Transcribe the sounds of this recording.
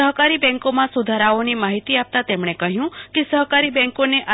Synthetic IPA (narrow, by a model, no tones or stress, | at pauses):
əɦkaɾibɛ̃ŋkomãsud̪ʱaɾaonimaɦit̪iap̚t̪at̪emɽ̃ekəɦjũkesəɦkaɾibɛ̃ŋkoneʔʔa